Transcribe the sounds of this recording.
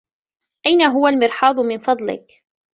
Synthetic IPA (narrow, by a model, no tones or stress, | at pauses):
ʔajnaɦʊwalmɪɾħɑːd̪ˤʊmɪnfɑd̪ˤlɪ̰k